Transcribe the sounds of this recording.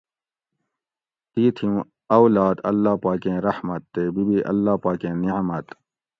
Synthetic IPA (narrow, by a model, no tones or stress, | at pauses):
t̪iːt̪ʰiũ | ɐwlaːd̪ɐlːaːpaːkẽːɾɐhmɐt̪ːeːbibiʔɐ̰lːaːpaːkẽːniʕmɐt̪